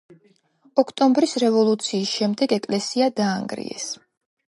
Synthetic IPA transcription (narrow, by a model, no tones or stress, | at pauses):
ɔkʰt̪ʼɔmbɾisɾɛvɔlˠut̪sʰiːsʃɛmd̪ɛɡɛkʼlɛsiad̪aːŋɡɾḭɛ̰s